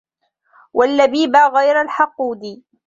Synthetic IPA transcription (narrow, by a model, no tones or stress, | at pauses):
wʔalːabiːbaɣajɾalħɑquːd̪i